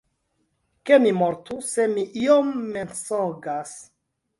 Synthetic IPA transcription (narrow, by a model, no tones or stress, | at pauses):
kemimoɾtusemiʔiomːensoɡas